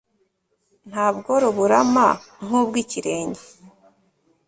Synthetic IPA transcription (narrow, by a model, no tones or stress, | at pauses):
n̥haːbɡo̞ɾuβuɾama | ŋ̥ubɡiciɾe̞ːɲɟe